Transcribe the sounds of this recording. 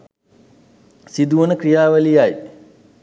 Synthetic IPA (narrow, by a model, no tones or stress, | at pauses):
sid̪uʋənəkɾijaːʋəlijaj